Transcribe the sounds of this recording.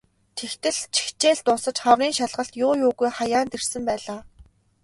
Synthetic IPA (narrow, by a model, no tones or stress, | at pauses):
t̪ʰext̪ɘ̆ɮt͡ɕʰi̥xt͡ɕeːɮt̪ʊːsə̆t͡ɕχawriːŋʃaɮʁə̆ɬt̪jʊːjʊːɣujχajaːnt̪er̥sɘ̆mpæːɮaː